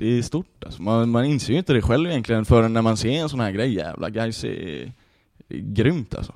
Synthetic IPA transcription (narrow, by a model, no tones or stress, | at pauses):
d̪̥ɛːst̪uʈːalsɔmanmanɪnseːɾjʏɪnt̪əd̪ɛɧɛlvɪjɛnk̪lɪɡənfœːɾənːæɾmanseːɾɛnsɔnhæːɾɡɾɛjːjæ̰ːvlʔa̰ɡɾajsɛ̰ | ɡɾʏmt̪ʰa̰lsɔ